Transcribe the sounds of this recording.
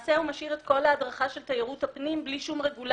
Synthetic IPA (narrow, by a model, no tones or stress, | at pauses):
seumaʃiʁet̪kʰo̞laːdʁaχaʃe̞lt̪ajiʁuthapnimbliʃumʁeɡul